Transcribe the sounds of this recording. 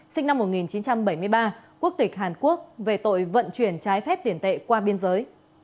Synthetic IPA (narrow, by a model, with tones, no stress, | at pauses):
sï˧ŋ̟na˧mːo˨˩t̚ŋi˨˩nt͡ɕi˨˦nt͡ɕa˧mɓə˧˩jmɨ˧əjɓaː˧ku˦˥ək̚t̪ï˨˩k̟̚ɦaː˨˩nku˦˥ək̚ve˨˩t̪o̰˧˨jvə̰˧˨nt͡ɕwi˧˩ənt͡ɕaː˨˦jfɛ˦˥p̚t̪i˧˩ənt̪ḛ˧˨kwaː˧ɓi˧ənzəː˨˦j